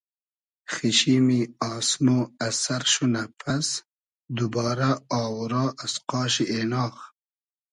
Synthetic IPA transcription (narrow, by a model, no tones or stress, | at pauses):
xiɕimiɑːsmoːasaɾʃunapʰas | d̪ubɑːɾaɑːwɾɑːasqɑːɕiʔeːnɑːx